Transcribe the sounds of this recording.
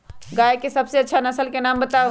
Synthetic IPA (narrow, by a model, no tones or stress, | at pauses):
ɡajkesəbseətːʃʰanəsəlkenambət̪a